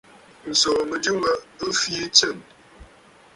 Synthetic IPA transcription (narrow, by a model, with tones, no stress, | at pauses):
n̩˨sɔ˨mə˨du˦ŋə˦ɨ˦fi˦t͡sə˦˨m